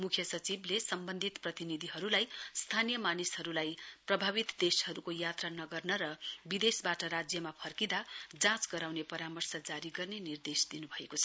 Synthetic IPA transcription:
mukʰjʌsʌt͡siblesʌmbʌnd̪ʱit̪prʌt̪inid̪ʱiɦʌɾulajst̪ʰanijʌmanisɦʌɾulajprʌbʱaβit̪d̪eshʌɾukojat̪ranʌɡʌrnʌɾʌbid̪esbaʈʌɾad͡zjʌmapʰʌrkid̪ad͡zãt͡sɡʌɾawnepʌɾamʌrsʌd͡zaɾiɡʌrnenird̪esd̪inubʱʌekot͡sʰʌ

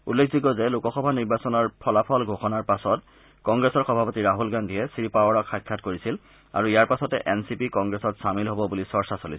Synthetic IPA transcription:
ṵlːekʰzikɔzɛlukɔxɔbʱaniɹbasɔnɔɹpʰɔlapʰɔlɡʱoxɔnaɹpasɔt | kɔŋɡɹɛsɔɹxɔbʱapɔtiɹaɦulɡandʱiɛsiɹipawɔɹɔkʰxajkʰːatkoɹisil | a̰ɹuijaɹpasɔtɛʔɛnsipikɔŋɡɹesɔtsamilɦɔbɔbulisɔɹsasolisɛ

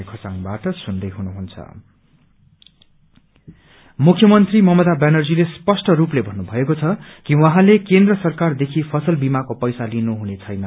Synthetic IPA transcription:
kʰot͡saŋbaʈʌsund̪ʌjɦunuɦunt͡sʰʌ̰ | mukʰjʌmʌnt̪rimʌmʌd̪abanʌrd͡zilespʌsʈʌruplebʱʌnːubʱʌekot͡sʰʌkiwʌ̃ɦãlekend̪rʌsʌrkard̪ekʰipʰʌsʌlbimakopʌjsalinuɦunet͡sʰʌjnʌ

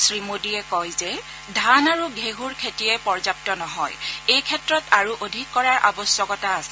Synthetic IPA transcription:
sɹimodiɛkɔjzɛ | dʱanaɹuɡʱeɦuɹkʰetijɛpɔɹzap̚tɔnɔɦɔjejkʰɛtɹɔtaɹuʔodʱikːɔɹaɹʔa̰bɔsjɔkɔtaːs

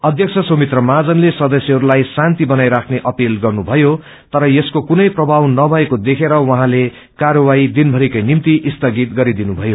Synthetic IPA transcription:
ʌd̪ʱjʌk̚t͡sʰʌsomit̪rʌmad͡zʌnlesʌd̪ʌsjeɦʌɾulajsant̪ibʌnajɾakʰneʔʌpilɡʌrnubʱʌjo | t̪ʌɾʌjeskokunʌjprʌbʱawnʌbʱʌekod̪ekʰeɾʌwʌɦãle | kaɾʌwaid̪inbʱʌɾikʌjnimt̪iʔist̪ʌɡit̪ɡʌɾid̪inubʱʌjo

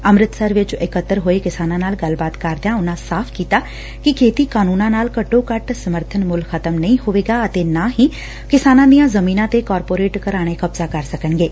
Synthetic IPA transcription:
əmɾɪt̪səɾʋɪt͡ʃɪkət̪ːəɾɦoːeːkɪsaːnãːnaːlɡəlbaːt̪kəɾd̪jãːʊnãːsaːpʰkiːt̪aː | kɪkʰeːt̪iːkaːnuːnãːnaːlkəʈːõːkəʈsəməɾt̪ʰənmʊlkʰət̪əmnəĩɦoːʋeːɡaːət̪eːnaːɦiː | kɪsaːnãːd̪ijãːzəmĩːnãːt̪eːkɔːɾpoːɾeːʈkəɾaːɽ̃eːkəbzaːkəɾsəkənɡeː

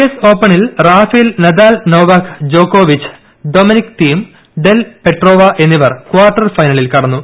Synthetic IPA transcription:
eso̞ːpːɐɳilraːfilnɐd̪aːlno̞ːʋaːkʰd͡ʑoːkːoːʋit͡ɕːɨ̥ | d̪o̞ːminikt̪iːm | ɖe̞lpe̞ʈro̞ːʋɐʔe̞nːiʋɐrkuaːrʈːɐrfɐjnɐɭilkɐɽɐnːu

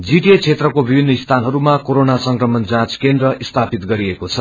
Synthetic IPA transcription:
d͡ziʈet͡sʰet̪rʌkobibʱinːʌist̪ʰanɦʌɾumakoɾonasʌŋkrʌmʌnd͡zãt͡skend̪rʌist̪ʰapit̪ɡʌɾiekot͡sʰʌ

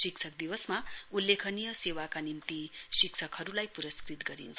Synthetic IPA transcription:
siksʰʌk̚d̪iwʌsmaulːekʰʌnijʌsewakanimt̪isikt͡sʰʌkhʌɾulajpuɾʌskrit̪ɡʌɾḭnt͡sʰʌ

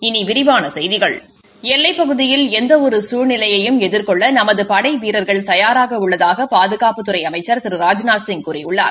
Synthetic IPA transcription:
ɪniʋɪɾɪʋaːnɐsɛjðɪɣɐɭ | ɛlːɐɪpːɐɣɯðɪjɪlɛnd̪ɐɔɾɯsuːɾnɪlɐjɐjɯmɛðɪɾkɔɭːɐnɐmɐðɯpɐɽɐɪʋiːɾɐɾɣɐɭt̪ɐjaːɾaːɣɐʊɭːɐðaːɣɐpaːðɯɣaːpɯt̪ːɯɾɐɪɐmɐɪt͡ʃːɐɾt̪ɪɾɯɾaːd͡ʒnaːsɪŋkuːɾɪjʊɭːa̰ː

